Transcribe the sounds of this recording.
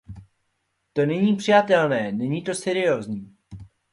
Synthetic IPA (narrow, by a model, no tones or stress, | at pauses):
t̪o̞nɛɲiːpr̝̥ɪjat̪ɛlnɛːnɛɲiːt̪o̞sɛɾɪjo̞ːzɲiː